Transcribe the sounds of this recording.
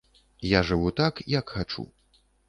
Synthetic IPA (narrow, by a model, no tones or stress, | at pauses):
jaʐɨvut̪akjɐkxat͡ʂṵ